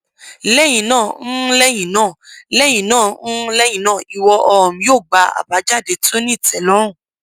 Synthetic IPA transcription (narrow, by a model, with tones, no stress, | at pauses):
lɛ˦˨j̃ĩ˨nãː˦˨˦lɛ˦j̃ĩ˨nãː˦˨lɛ˦j̃ĩ˨nãː˦˨n̩˦lɛ˦j̃ĩ˨nãː˦˨i˨wɔ˧ʔɔ˧ɔ˨m̃˨˧joː˦˨ɡ͡ba˧a̰˨ba˨˦d͡ʒa˦˨de˨˧to˦nĩ˦˨tɛ˨lɔ˨˦ɾ̃ɔ̃˦˨